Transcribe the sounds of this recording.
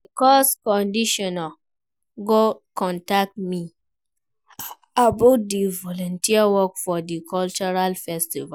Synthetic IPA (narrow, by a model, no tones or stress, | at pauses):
dekɔskɔ̃ndiʃɔna | ɡokɔ̃ntak̚tmĩ | abodivɔlɔ̃ntiawɔkfɔdikɔlt͡ʃuɾalfɛstiva